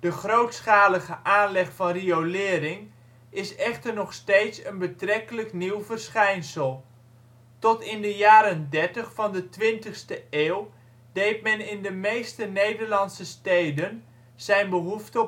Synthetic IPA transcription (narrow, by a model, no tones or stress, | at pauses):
d̥əχrowtsχaːləɣəʔaːnlɛχfɑnriolɪːɾɪŋ | ɪsɛχtərnɔχstejtsənbətrɛkələkniwvərsχɛjnsəlˠ | tɔtɪndəjaːɾəndɛɹtəχfɑndətʋɪntəχstəeːw | d̥ejt̚mɛnɪndəmejstənejdəɹlɑnsəstejdən | z̥ɛjnbəɦuftə